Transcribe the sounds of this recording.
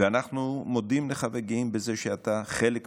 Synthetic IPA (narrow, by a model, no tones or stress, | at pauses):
eanaχnumod̪imleχaveɡimbezeʃeat̪aχelek